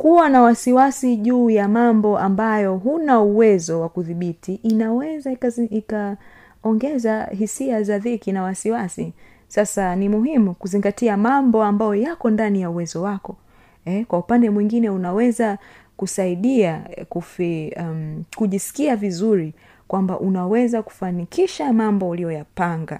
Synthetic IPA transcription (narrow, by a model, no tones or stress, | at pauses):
kuwanawasiwasiʄuːjamambɔʔambajɔɦunauwɛzɔwakuðiɓitiʔːnawɛzaika | ɔŋɡɛzaɦisiazaðikinawasiwasi | sasanimuɦimukuziŋɡatiamambɔambajɔjakɔndanijauwɛzɔwakɔ | ɛkwaupandɛmwiŋɡinɛunawɛza | kusaiɗiakuf | kuʄisi̥kiavizuɾi | kwambaʔunawɛzaku̥fanikiʃamambɔulijɔjapaŋɡa